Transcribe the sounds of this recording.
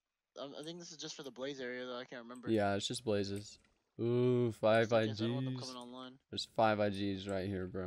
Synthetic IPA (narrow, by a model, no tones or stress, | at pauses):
ʔʌ̃maɪθɪ̃ŋk̚ðɪsɨzd͡ʒʌstfə˞ðəbleɪzɛɹiɨðəɾaɪkʰæ̃n̚tɹɪmɛ̃nmbəjæɪtsd̥ʒ̥ʌsb̥leɪzɨs | ufaɪvaɪd͡ʒiz̥ɪŋɑ̃nlãɪ̃nðə˞z̥faɪvaɪd͡ʒizɹaɪt̚hiɹbɹõ